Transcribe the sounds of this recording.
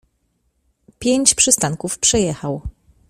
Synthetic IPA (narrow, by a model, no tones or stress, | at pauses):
pʲjeɲt͡ɕpʂɘst̪aŋkufpʂɛjɛxaw